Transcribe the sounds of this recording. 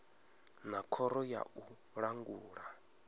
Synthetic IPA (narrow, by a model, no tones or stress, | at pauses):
nakʰɔɾɔja̰u | ɺaŋɡuːɺa